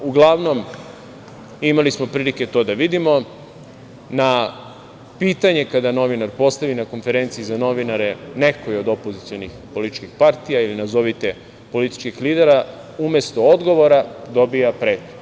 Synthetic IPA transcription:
uɡlˠaʋno̞m | imalismo̞pɾilike̞t̪o̞ːd̪aʋid̪imo̞ | na | piːt̪aɲe̞kad̪ano̞ʋinaɾpo̞st̪aʋinako̞nfe̞ɾe̞nt̪siizano̞ʋinaɾe̞ne̞ko̞io̞d̪o̞po̞zit̪sio̞nixpo̞lit̪i̥t͡ʃkixpaɾt̪ijailinazo̞ʋit̪e | po̞lit̪i̥t͡ʃkixliːd̪e̞ɾa | ume̞st̪o̞od̪ɡo̞ʋo̞ɾad̪o̞bijapɾeːt̪o

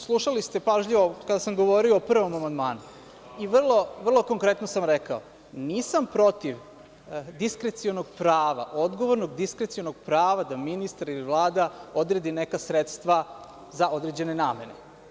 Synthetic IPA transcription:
slˠuʃalist̪e̞paʒʎiʋo̞kad̪asamɡo̞ʋo̞ɾioːpr̩ʋo̞mamand̪maːnu | iʋr̩lˠo̞ʋr̩lˠo̞koŋkɾe̞t̪nosamɾekao | niːsampɾo̞t̪iʋ | d̪iskɾe̞t̪sionoɡpɾaːʋa̰ʔo̞d̪ɡo̞ʋo̞ɾno̞ɡd̪iskɾet̪sio̞noɡ̥pɾaːʋad̪aminist̪aɾiliʋlˠaːd̪ao̞d̪ɾe̞d̪ine̞kasɾet̪st̪ʋa | zao̞d̪ɾed͡ʑe̞ne̞naːme̞ne̞̰

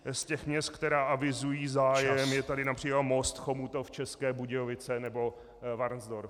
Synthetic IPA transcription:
scɛxmɲɛst̪̚kt̪ɛɾaːʔavɪzujiːzaːjɛmjɛt̪adɪnapr̥iːklat̪most̪xomut̪oft͡ʃɛskɛːbuɟɛovɪt͡sɛnɛbo̞ | vaɾnzdoɾ

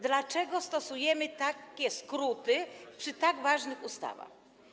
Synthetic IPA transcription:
d̪lat͡ʂɛɡɔst̪ɔsujɛmɘt̪akʲɛskɾut̪ɘpʂɨt̪aɡvaʐnɘxust̪a̰va̰x

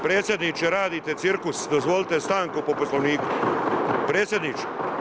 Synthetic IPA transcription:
pɾeːt̪sje̞d̪nit͡ʃeɾaːd̪it̪et̪siɾkusd̪ozʋolit̪est̪aːŋkupoposloʋniːku | pɾeːt̪sʲje̞d̪niːt͡ʃe

